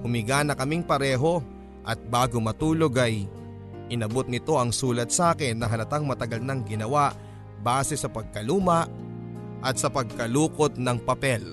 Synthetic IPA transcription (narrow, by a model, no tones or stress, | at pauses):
hʊmɪɡaːnɐkɐmiŋpɐɾɛːɦo̞ | ʔɐt̪̚baːɡomɐt̪uːloɡɐj | ʔɪnɐbot̪̚nɪt̪o̞ʔɐŋsuːlɐt̪̚saːkɪnːɐɦɐlɐt̪aŋmɐt̪ɐɡɐlnɐŋɡɪnɐwaʔ | baːsɛsɐpɐɡ̚kɐluːmɐʔ | ʔɐt̪̚sɐpɐɡ̚kɐluːkot̪̚nɐŋpɐpɛl